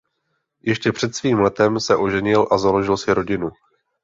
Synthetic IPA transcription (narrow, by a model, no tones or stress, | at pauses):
jɛʃcɛpr̝̥ɛt̪sviːmlɛt̪ɛmsɛʔo̞ʒɛɲɪlʔazalo̞ʒɪlsɪɾo̞ɟɪnu